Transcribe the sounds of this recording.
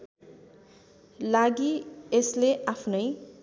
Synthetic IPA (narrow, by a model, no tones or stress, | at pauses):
laɡiesleʔapʰnʌj